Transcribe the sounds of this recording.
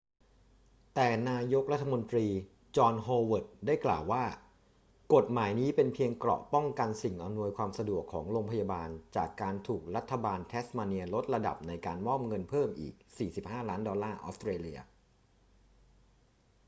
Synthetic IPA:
t̪ɛː˨˩naː˧jo˦˥k̚ɾa˦˥t̪ʰːa˧mo˧nt̪ɾiː˧ | t͡ɕɔː˧nɦoː˧wɤː˨˩t̪̚daː˥˩jkla̰ː˨˩wːaː˥˩ | ko˨˩t̪̚maː˩˦jniː˦˥pe˧npʰi˧əŋklɔ̰˨˩ʔpɔ˥˩ŋka˧nsi˨˩ŋʔa˧mnu˧əjkʰwaː˧msa˧du˨˩əkʰːɔ̰ː˩˦ŋɾoː˧ŋpʰa˧jaː˧baː˧nt͡ɕa̰ː˨˩kːaː˧nt̪ʰuː˨˩k̚ɾa˦˥t̪ʰːa˧baː˧nt̪ʰɛː˦˥smaː˧ni˧ɐlo˦˥t̪̚ɾa˧da̰˨˩p̚na˧jkaː˧nmɔ˥˩mŋɤ˧npʰɤː˥˩mʔḭː˨˩k̚siː˨˩si˨˩p̚haː˥˩laː˦˥ndɔː˧lːaː˥˩ʔɔː˦˥st̪ɾeː˧li˧ɐ

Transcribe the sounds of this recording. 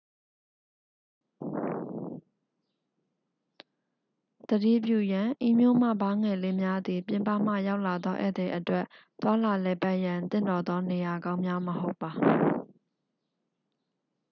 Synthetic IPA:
d̪̥ədḭ˦˨p̬jṵ˦˨jã˨ʔi˦˨mjo̰˦˨m̥ä̰˦˨bã˦ŋɛ˨le˦mja˦d̪i˨pjɪ̃˨mpa̰˦˨m̥ä̰˦˨ja˦ʊʔla˨d̪ɔ˦ʔɛ̰˦˨d̪ɛ˨ʔətwɛ˦˨ʔ | t̪wa˦la˨lɛ˨pa˦ʔjã˨nt̪ɪ̰̃˦˨ndɔ˨d̪ɔ˦ne˨ja˨ɡã˦ʊ̃mja˦məho˦ʊpːa˨

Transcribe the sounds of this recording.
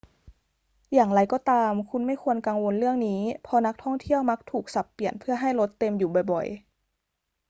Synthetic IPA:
jaː˨˩ŋɾa˧˩jkɔː˧˩t̪aː˧mkʰu˧nma˥˩jkʰu˧ənka˧ŋwo˧nlɯ˥˩əŋniː˦˥pʰɔ˧na˦˥k̚t̪ʰɔ˥˩ŋt̪ʰi˥˩əwma˦˥k̚t̪ʰuː˨˩k̚sa˨˩pːi˨˩ənpʰɯ˥˩ɐɦa˥˩jlo˦˥t̪ːe˧mjuː˨˩bɔ˨˩jbɔ̰˨˩j

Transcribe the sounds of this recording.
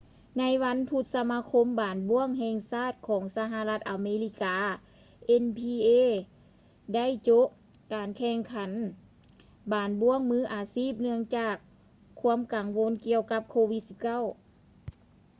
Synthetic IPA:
na˧˥jʋa˧˥npʰu˧t̪̚sa˧maː˧kʰo˧˥mbaː˨nbu˧˥əŋɦɛː˧ŋsaː˥˩t̪̚kʰɔː˩˦ŋsa˧ɦa˧la˧˥t̪̚ʔa˨˩meː˧li˧˥kaː˨˦ | ʔe˧npʰiː˧ʔeː˧˥ | da˥˨jt͡ɕo˧˦˥ʔ | kaː˨˩nkʰɛː˧˩ŋkʰa˨˦n | baː˨˩nbu˧˥əŋmɯː˧˥ʔaː˨˩siː˥˩p̚nɯ˧˥əŋt͡ɕaː˧˩kʰː | u˧˥əmka˨˩ŋʋo˧˥nki˧əwka˧˥p̚kʰoː˧ʋi˧˥t̪̚si˧p̚ka˥˩˨w

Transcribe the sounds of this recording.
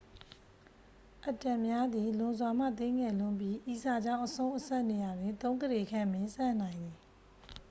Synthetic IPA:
ʔə˨tã˨mja˦d̪i˨lʊ̃˨nzwa˨m̥a̰˦˨t̪ɪ̃˦ŋɛ˨lʊ̃˦mpji˦ʔi˨za˨d͡ʑã˦˨ʊ̃ʔəsõ˦ʊ̃ʔəsa˦ʔne˨ja˨dwɪ̃˨nt̪õ˦ʊ̃ŋɡəde˨kʰã˦˨mɪ̃˦˨sã̰˦˨n̥ã˨ɪ̃nd̪ði˨

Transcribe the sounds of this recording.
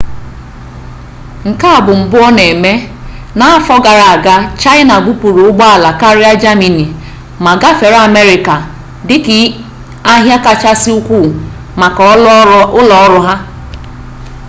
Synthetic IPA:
ŋ̩˨ka˦a˨bʊ˨m̩˨bʊ˦ɔ˦ne˨me˦ | na˨a˦fɔ˦ɡa˨ɾa˨a˨ɡa˦t͡ʃa˦ɪ˦na˨ɡu˦pu˨ɾu˨ʊ˦ɡ͡bɔ˦a˨la˨ka˦ɾɪ˦a˦d͡ʒa˦mi˨ni˨ | ma˨ɡa˦fe˨ɾa˦˨me˦ɾɪ˨ka˨ | dɪ˦kɪ˨ | a˦ɦja˦ka˨t͡ʃa˦sɪ˦u˦kʷu˦˨ | ma˨kʊ˦lɔ˨ɔ˦ɾʊ˦ɦa˦

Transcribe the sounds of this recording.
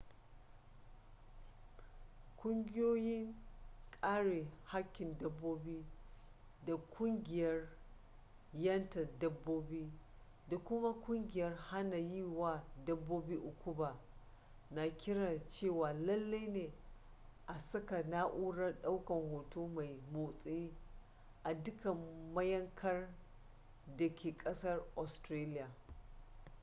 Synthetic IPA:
kʷʼʊ˦ŋɡʲɪ˦joː˦jɪ˦ŋkʼaː˦ɽeː˨ha˦kʲːɪ˨ndɐ˦bːoː˦biː˦ | da˨kʷʰʼʊ˦ŋɡʲɪ˨jɐ˦r | jɐ˦ntɐ˨dɐ˦bːoː˦biː˦ | da˨kʷʊ˦ma˦kʷʼʊ˦ŋɡʲɪ˨jɐ˦rha˦na˨jiː˦˨waː˦˨dɐ˦bːoː˦biː˦ʔʊ˨kʷʰʊ˦baː˨ | na˨kʲɪ˦ɽa˨t͡ʃeː˦˨waː˨lɐ˦lːa˦jneː˨ | ʔa˨sɐ˦ka˨na˦ʔuː˦ɽɐ˦rɗa˦wkɐ˨ŋhoː˨toː˦ma˨jmoː˨sʼi˦ | ʔa˨dʊ˦kɐ˨mmːɐ˦jɐ˦ŋkʰɐ˦r | dɐ˨kʲʰeː˨kʼɐ˦sɐ˦rʔɔ˨stɾaː˦lɪ˦jaː˨

